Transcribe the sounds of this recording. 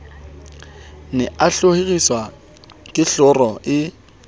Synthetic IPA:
nɛʔaɬoheɣiswa | kʼɪɬʊrɔʔɪ

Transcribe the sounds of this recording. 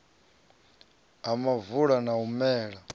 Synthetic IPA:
amavuɺanaumɛːɺa

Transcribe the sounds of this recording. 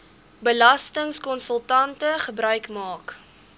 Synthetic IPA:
bəlɐstəŋskɔnsəlˠtɐntəχəbɾœɥkmɑːk

